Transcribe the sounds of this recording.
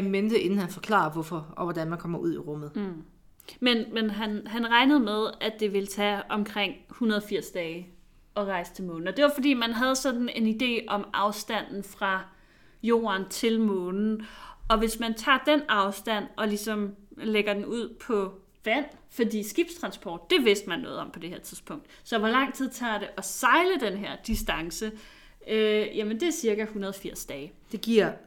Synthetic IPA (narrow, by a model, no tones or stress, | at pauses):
æmend̥əe̝nn̩hænfɒ̽kʰlɑ̰̈ːɐʋɔfɒɒʋɒd̥ænmænkʰɒm̰ɐʔuð̞̰ˠiʁɔ̽m̰əð̩ˠ | menmenɦænɦænʁɑ̈ɪnəð̞̩ˠmeð̞ˠæd̥e̝ʋe̝lət͡sʰæɒ̽mkʰʁeŋ̰hunɐð̞̩ˠfiɐ̰sd̥ɛːɪ | ʔɒ̽ʁɑ̈ɪst͡sʰe̝lmɔːn̩ɒd̥e̝ʋɑ̈fɒ̽d̥ḭːmænɦæð̞̩ˠsɒ̽d̥n̩e̝nid̥e̝̰ːɒ̽mʔɑ̈ʊsd̥æn̰n̩fʁɑ̈ | jo̝̰ːɐnt͡sʰe̝lmɔ̽ːnn̩ʔɒ̽ʋe̝smænt͡sʰɑ̰̈ːd̥enɑ̈ʊsd̥æn̰ɒ̽lisɒ̽mleɡ̥ɐd̥enuð̞̰ˠpʰɒ̽ | ʋæn̰ | fɒdḭːsɡ̥ib̥st͡sʰʁɑ̈nsb̥ʰɒ̰ːd̥̚ːe̝ʋe̝sd̥mænːɔ̽ːð̞̩ˠɒ̽mpʰɒ̽d̥e̝heɐ̰t͡sʰiðˠspʰɔ̽ŋ̰d̥ | sɒ̽ʋɒ̽lɑ̈ŋ̰t͡sʰið̰ˠt͡sʰɑ̰̈ɾ̥e̝ʔɒ̽sɑ̈ɪləd̥enɦeɐ̰d̥isd̥ɑ̈ŋsə | øjæmənd̥e̝æɐsiɐɡ̥æhunɐð̞ˠfiɐ̰sd̥ɛːɪ | d̥e̝ɡ̥iɐ̰